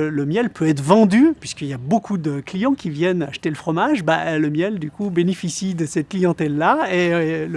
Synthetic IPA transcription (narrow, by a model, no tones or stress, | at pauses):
ləmjɛlpʰøɛt̪χvɑ̃d̪ypɥiskəiljabokʰud̪əklijɑ̃kʲivjɛna̰ʃə̥t̪eləfχɔmaʒba̰ləmjɛld̪ykubenefisid̪əsɛt̪̚klijɑ̃t̪ɛlːael